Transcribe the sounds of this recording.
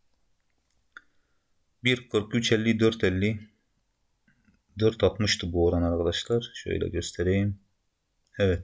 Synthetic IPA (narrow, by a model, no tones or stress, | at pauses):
biɾkʰɯɾkyt͡ʃɛlʲːid̪øɾt̪ʰɛlːi | d̪øɾt̪ʰat̪mɯʃt̪ʰɯbuoɾanaɾkʰad̪aʃlˠaɾʃø̰jlʲɛ̰ɟø̞st̪ʰɛɾejim | ɛvɛt̪̚